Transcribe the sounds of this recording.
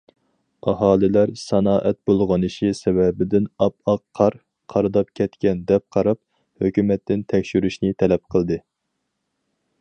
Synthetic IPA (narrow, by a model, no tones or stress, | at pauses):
ɑɦɑːlɪlæɾsɑnɑːʔɛt̪̚bolˠʁɑnɨʃisɛbɛbɪd̪ɪnɑp̚ɑqpʰːɑɾ | qʰɑɾɨd̪ɑp̚kʲʰɛt̪kʲʰɛnd̪ɛp̚qʰɑɾɑp̚ | høkʲymɛt̪ʰːɪnt̪ʰɛkʲʃyɾyʃnɪt̪ʰɛlɛp̚qʰəlˠd̪ɨ